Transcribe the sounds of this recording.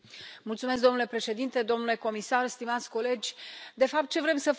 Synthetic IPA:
mult̪sumesk̚d̪o̞nule̞pɾe̞ʃe̞d̪int̪e̞d̪o̞mnule̞ko̞misarst̪imat̪sʲko̞le̞d͡ʒʲd̪e̞fap̚t̪̚t͡ʃe̞vɾe̞msəf

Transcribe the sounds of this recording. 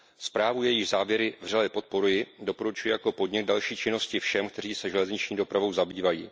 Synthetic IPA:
spɾaːvujɛjɪʒzaːvjɛɾɪvr̝alɛpo̞t̪̚po̞ɾujɪdo̞po̞ɾut͡ʃujɪjako̞po̞dɲɪɡ̚dalʃiːt͡ʃɪno̞scɪfʃɛmkt̪ɛr̝iːsɛʒɛlɛzɲɪt͡ʃɲiːdo̞pɾavo̞wzabiːvajiː

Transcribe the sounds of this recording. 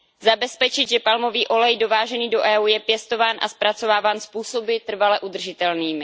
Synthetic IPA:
zabɛspɛt͡ʃɪd̪ʒɛpalmo̞viːʔo̞lɛjdo̞vaːʒɛniːdo̞ʔɛːuːjɛpjɛst̪o̞vaːnʔa̰spɾat͡so̞vaːvaːnspuːso̞bɪt̪r̩valɛʔud̪r̩ʒɪt̪ɛlniːmɪ

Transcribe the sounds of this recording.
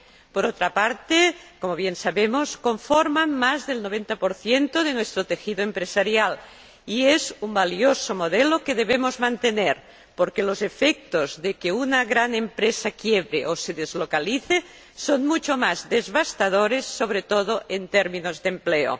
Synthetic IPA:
poɾot̪ɾapaɾt̪ekomoβjensaβemosko̞ɱfoɾmanmazðelnoβ̞ent̪apoɾθjent̪oð̞enwest̪ɾot̪exiðoempɾesaɾjal | iezumbaliosomoðelokeðeβemozmãnt̪eneɾ | poɾkelozefek̚t̪ozðekeunaɣɾanempɾesakjeβɾeʔoseðezlokaliθe | sonmut͡ʃomazðezβast̪aðoɾesːoβ̞ɾet̪oðoʔent̪eɾmĩnozðempleo̰

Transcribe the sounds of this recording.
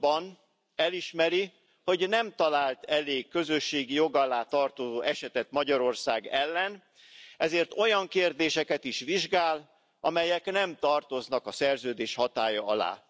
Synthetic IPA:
bɒn | ɛliʃmɛɾi | ho̞ɟnɛmt̪ɒlaːlt̪ɛleːkːø̞zø̞ʃːeːɡijo̞ɡɒlːaːt̪ɒrt̪ozoːʔɛʃɛt̪ɛt̪mɒɟɒɾo̞rsaːɡɛlːɛn | ɛzeːrt̪o̞jɒŋkeːrd̪eːʃɛkɛt̪iʃʋiʒɡaːl | ʔɒmɛjɛknɛmt̪ɒrt̪o̞znɒkɒsɛrzøːd̪eːʃhɒt̪aːjɒɒla̰ː

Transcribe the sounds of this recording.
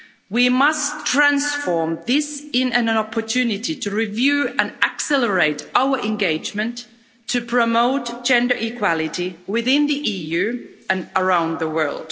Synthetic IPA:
wimʌstʰɹ̥æ̃nsfɔɹmðɪsɪ̃nɨ̃nɑpʰə˞tʰʉnɨtitʰɨɹivjʉɨ̃næksɛlə˞eɪtaʊə˞ʔɨ̃nɡeɪd͡ʒmɨ̃ntʰː | ɨpʰɹ̥əmoʊtd̥ʒ̥ɛ̃ndə˞ʔikʰw̥ɑlˠɪɾiwɪθɪ̃nðiʔijʉɨ̃nə˞ãʊ̃nðəwɜ̰˞lˠd̥

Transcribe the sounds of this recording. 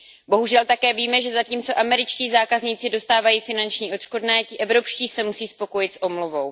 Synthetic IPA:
bo̞ɦuʒɛlt̪akɛːviːmɛʒɛzaciːmt͡so̞ʔamɛɾɪt͡ʃciːzaːkazɲit͡sɪdo̞st̪aːvajiːfɪnant͡ʃɲiːʔot̪ʃko̞dnɛːcɪʔɛvɾo̞pʃciːsɛmusiːspo̞ko̞jɪt̪sʔo̞mluvo̞w

